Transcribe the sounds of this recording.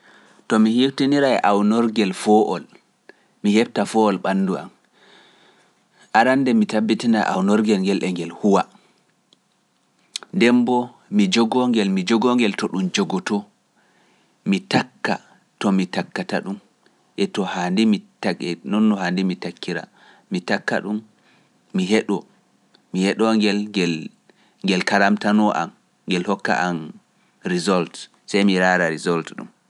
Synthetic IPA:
tɔmihiftiniɾaɛʔawnɔɾɡɛlfɔʔɔ̰l | mihɛb̚tafɔɔlɓanːdua̰m | ʔaɾandɛmitabːitina̰ʔa̰wnɔɾɡɛlŋɡɛlʔɛŋɡɛlhuwa | ndɛmbɔ | mid͡ʒɔɡɔŋɡɛlmid͡ʒɔɡɔŋɡɛltɔɗumd͡ʒɔɡɔtɔ | mitakːa̰ | tɔmitakːataɗum | ʔɛtɔhandimitaɛnɔnːɔhandimitakːiɾa̰ | mitakːa̰ɗumː | iɦɛɗɔ | mihɛɗɔŋɡɛlŋɡɛl | ŋɡɛlkaɾamtanɔʔa̰m | ŋɡɛlhɔkːa̰ʔan | ɾizɔlt | sɛjmiɾaːɾaɾizɔltɗṵm

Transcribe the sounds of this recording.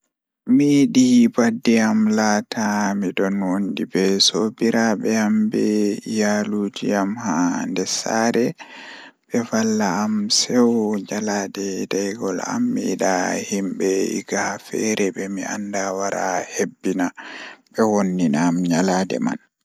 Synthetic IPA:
miɗibadːiamlaːtʰamidɔnwondibɛsobiɾabɛambɛjaluːd͡ʒiamhandɛsaɾɛ | ɓ̥ɛfalːaːmsɛwɲaladɛdajɡɔla̰mːiɗahimɓɛḭɡafɛ̰ɾɛɓɛmia̰ndawaɾa̰hebːinaɓɛwonːinaːmɲaladɛ̰ma̰n

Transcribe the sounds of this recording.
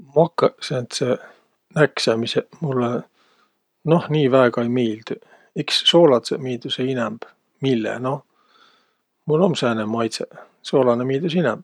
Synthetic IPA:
mɑkːɑsent̪se | næksemisemulːe | nohniːvæeɡ̥ɑejmiːld̪̥y | iksːoːlɑt̪semiːd̪useinɛmb̥ | milːḛnoh | mulomsænemːɑjt̪se | soːlɑnemiːld̪̥usinɛmb̥̚

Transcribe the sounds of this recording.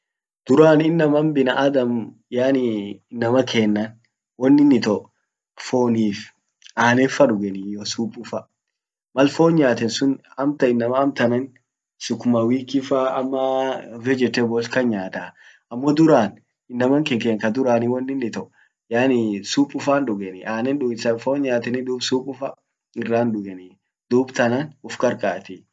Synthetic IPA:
d̪̥ʊɾaːnɪnːɐmɐmbɪnɐʔɐd̪ɐm | jaːnɪɪnːɐmɐkʰeːnːɐn | wɐnːɪnːɪt̪ɔʔ | fo̞ːniːf | ʔaːnɛfɐᶑʊɡɛnijɔsuːpʼʊfɐ | mɐlfoːɲɲaːt̪ɛnsʊnɐmt̪ɐɪnːɐmɐɐmt̪ɐnɐn | sʊkːʊmɐwiːkɪfaːɐmːɐfɛd͡ʒɛt̪ːɛbɔlkɐɲːaːt̪a | ɐmːɔd̪ʊɾaːn | ɪnːɐmɐŋkɛŋkeːŋkɐd̪ʊɾaːnɪwɐnːɪnːɪt̪ɔʔ | jaːnisuːpʼːʊfaːnᶑʊɡɛnɪaːnɛnᶑʊɡɪsɐfoːɲːaːt̪ɛnɪd̪uːbsuːpʼːʊfɐ | ɪrːaːnd̪ʊɡɛni | d̪uːbt̪ɐnɐnʊfkʼɐɾkʼaːt̪ɪ

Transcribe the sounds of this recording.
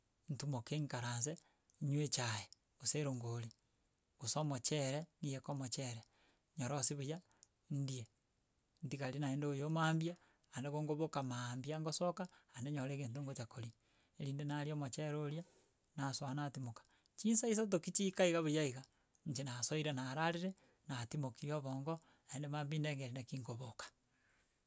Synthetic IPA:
n̩tumokeŋkaɾaːnse | ɲwet͡ʃaje | oseɾoŋɡoli | ɣosomot͡ʃɛɾɛnijekomot͡ʃɛɾɛ | ɲɔɾɔsiβoja | ndie | ntikaɾinaeːndoojomaːmbjaː | ndeɣoŋɡoβokamambiaŋɡosɔkaːndeɲoɾeɣent̬oŋɡot͡ʃakoɾi | eɾiːndenaɾjɔmot͡ʃɛɾoɾja | naswaanaːtimokḁ | t͡ʃiːnsais̬at̬okit͡ʃikaiɣaβojaiɣa | ɲt͡ʃenasoiɾenaɾaɾiɾe | natimokiɾiɔβɔŋɡɔ | naendemaːmbineŋɡeɾinakiŋɡoβokḁ

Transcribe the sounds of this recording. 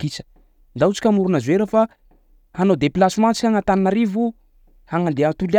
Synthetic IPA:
kit͡sə̥ | nd̪aut͡si̥kʲamuɾunazeɾəfa | hanod̪eplasimãt͡si̥kʲaŋat̪aninaɾivu | haŋand̪eant̪ul

